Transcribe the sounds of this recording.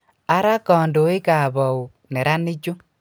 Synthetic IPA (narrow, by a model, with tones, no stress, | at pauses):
a˦ɾa˦kɔː˨ndo˨˦ɪ˦ka˨βɔ˨u˨ | nɛ˨ɾa˦nɪ˦d͡ʒʊ˦